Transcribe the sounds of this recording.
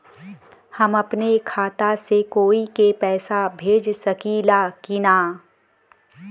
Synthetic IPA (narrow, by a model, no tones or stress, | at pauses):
hɐmɐpnekʰaːt̪asekoːikepɛːsabʱeːd͡ʒsɐkilakinaː